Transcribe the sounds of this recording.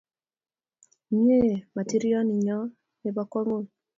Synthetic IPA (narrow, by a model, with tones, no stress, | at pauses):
ɲe˦˨ma˨ti˦ɾi˦ɔ˦ni˨ɲɔ˦ | ne˨ba˦kɔ˦ŋo˦˨